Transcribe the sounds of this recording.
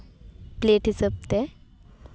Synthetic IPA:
pleʈʰisəp̚t̪e

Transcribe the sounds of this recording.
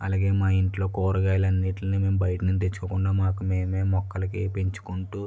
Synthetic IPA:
ɐ̰laːɡe̞ːmaːiɳʈlo̞ːkɔːɾɐɡaːjlɐnːiʈlɐniːme̞ːmbɐjɐʈɐnunt̪et͡ʃːkɐkuɳɖaːmaːkume̞ːme̞ːmɔkːɐlɐkepeɲt͡ʃu̥kuɳʈuː

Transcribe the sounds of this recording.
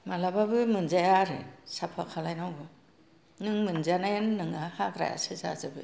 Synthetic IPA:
malababɯmɯnzajaɾɯ̰sapʰakʰalajnawbɯ | nɯŋmɯnzanajɯnːɯŋahaɡɾa̰ja̰sɯza̰zabɯ̰

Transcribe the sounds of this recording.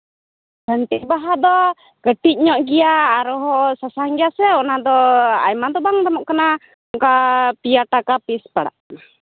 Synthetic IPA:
bənt̪ɛbaɦad̪ɔ | ɡ̥əʈiʔ̚ɲɔʔɡiaːɾɔɦɔsasaŋɡiasɛɔnad̪ɔa̰imant̪ɔbaŋd̪ɔmɔʔkəna | ŋkapiaʈakapispaɽa̰ʔ

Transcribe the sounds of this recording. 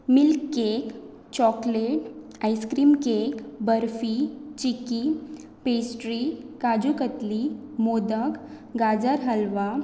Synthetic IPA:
milkːek | t͡ɕɔkleʈajskɾiːmkekbəɾfit͡ɕiki | pesʈɾikad͡ʑukət̪li | mod̪ək | ɡad͡zəɾɦəlʋa

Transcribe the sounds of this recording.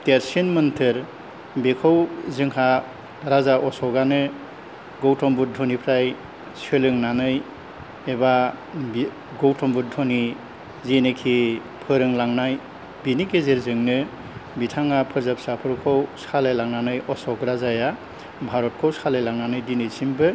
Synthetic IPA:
teɾsenmɯntʰɯɾ | bekʰɔwzɯŋɦa | ɾazaʔɔsɔɡanɯ | ɡɔwtʰɔmbut̚dʱɔnipʰɾaj | selɯŋnanɯj | ebab | ɡɔwtʰɔmbut̚dʱɔni | zenekʰi | pʰɯɾɯŋlaŋnaj | binikezeɾzɯŋnɯ | bitʰaŋapʰɯɾzap̚sapʰɯɾkʰɔwsʰalajlaŋnanɯjɔsɔkɾazaja | bʱaɾɔt̚kʰɔwsʰalajlaŋnanɯjdinɯsimbɯ

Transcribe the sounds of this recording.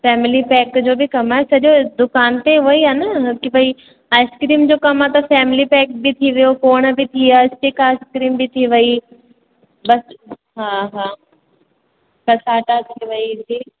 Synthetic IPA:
fɛːmɪlipɛːkd͡ʑoːbʱikɐmaːesɐʄod̪ʊkaːnt̪eɦʊəiɦɛːnakibʱɐi | aːɪskɾiːmd͡ʑoːkɐmat̪ɐfɛːmɪlipɛːk̚bʱit̪ʰiʋɐjokoːɽ̃əbʱit̪ʰiaɪsʈekaːɪskɾiːmbʱit̪ʰiʋɐi | bɐs | ɦãːɦãː | kɐsaːʈat̪ʰiʋɐid͡ʒiː

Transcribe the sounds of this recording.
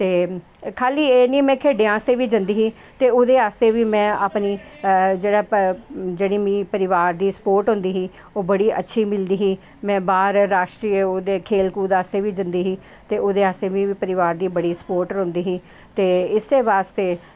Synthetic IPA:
t̪eː | kʰaːliːeːniːmɛ̃ːkʰeːɖeːãːst̪eːʋiːd͡ʒənd̪iːɦiː | t̪eːoːd̪eːaːst̪eːʋiːmɛ̃ːaːpniː | d͡ʒeːɽaːd͡ʒeːɽiːmĩːpəɾɪʋaːɾd̪iːsə̥poːɾʈɦʊ̃nd̪iːɦiː | oːbəɽiːʔətːʃʰiːmɪld̪iːɦiː | mɛ̃ːbaːɾːaːʃʈɾiːəoːd̪eːkʰeːlkuːd̪aːst̪eːʋiːd͡ʒənd̪iːɦiː | t̪eːoːd̪eːaːst̪eːʋiːiːpəɾɪʋaːɾd̪iːbəɽiːsə̥poːɾʈəɾɦʊ̃nd̪iːɦiː | t̪eːɪsd̪eːʋaːst̪eː

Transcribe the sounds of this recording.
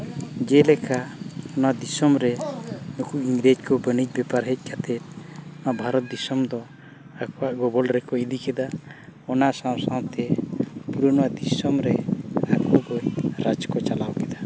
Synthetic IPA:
d͡ʒɛlɛkaɔnad̪isɔmɾɛnukuʔiŋɡɾed͡ʒkɔbənit͡ʃ̚bɛpaɾɦɛc̚ˀkat̪ɛt̪̚ɔnaʔbʱaɾɔt̪̚d̪isɔmd̪ɔ | akɔwaʔɡɔbɔlɾɛkɔid̪ikɛd̪aɔnaʔsãw̃sãwt̪ɛpuɾɔnɔwad̪isɔmɾɛakɔɡɔɾad͡ʒkɔt͡ʃalawkɛd̪a

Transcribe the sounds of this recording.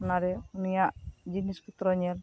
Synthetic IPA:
ɔnaɾɛunijaʔd͡ʒinisput̪ɾɔɲɛl

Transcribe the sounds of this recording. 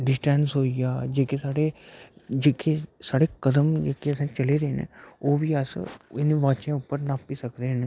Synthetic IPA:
ɖɪsʈɛːnsɦoːijaːd͡ʒeːkesaːɽeːd͡ʒeːkʰesaːɽeːkəd̪əmd͡ʒeːkeːəsãːt͡ʃəleːɾeːnḛoːbiːəsɪnẽːʋãːt͡ʃẽːʊpːəɾnãːpiːsəkd̪eːɦn

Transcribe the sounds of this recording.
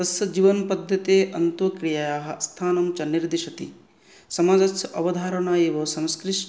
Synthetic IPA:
ɐsjɐd͡ʒiːʋɐnpɐd̪ʱːɐt̪eːʔɐnt̪ukɾijaːjaːɦɐ̆st̪ʰaːnɐmt͡ʃɐniɾd̪iʃɐt̪ḭ | sɐmaːd͡ʒɐsɐʔɐʋɐd̪ʱaːɾɐɳaːjeːʋɐsɐ̃mskɾiʂʈ

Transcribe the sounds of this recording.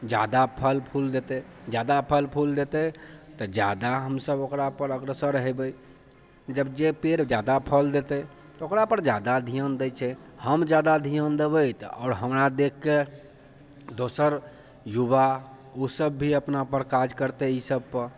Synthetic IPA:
d͡ʒja̰d̪apʰəlpʰuld̪et̪e | d͡ʒad̪apʰəlpʰuld̪et̪ɛt̪ɔd͡ʒja̰d̪aɦəmsəbokɾapəɾəɡɾəsəɾəɦɛbəj | d͡ʒəbd͡ʒepeɾd͡ʒad̪apʰəld̪et̪ɛ | t̪okɾapəɾd͡ʒad̪ad̪ʱijənd̪ət͡ʃʰɛ | həmd͡ʒjad̪ad̪ʱijənd̪ebəjt̪ɔ̰ʊɾɦəmɾad̪ekʰːe | d̪osəɾ | juba | osəbːʱiəpnapəɾkad͡ʒkəɾt̪eisəb̚pəɾ

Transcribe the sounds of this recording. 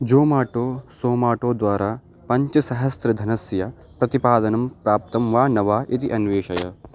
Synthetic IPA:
d͡ʒoːmaːʈoːsoːmaːʈoːd̪ʋaːɾaː | pɐɲt͡ʃɐsɐɦɐst̪ɾɐd̪ʱɐnɐsjɐ | pɾɐt̪ipaːd̪ɐnɐmpɾaːp̚t̪ɐmʋaːnɐʋaːʔit̪iʔɐnʋeːʃɐjɐ̰

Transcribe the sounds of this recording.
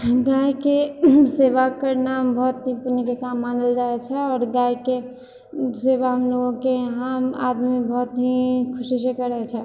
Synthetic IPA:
ɡajkeseʋakəɾnambɔɦt̪ɦĩpunikekamːand̪əld͡ʒaɛt͡ʃʰɛɔːɾɡajke | seʋaɦəmloɡõkeɦəma̰d̪miebəɦt̪ɦĩkʰʊsisekəɾɛt͡ʃʰɛ

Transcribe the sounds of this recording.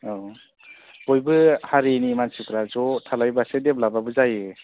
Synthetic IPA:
ɔ | b̥ɔjbɯhaɾenimansikɾazɔtʰalajbasedeblababɯzaje

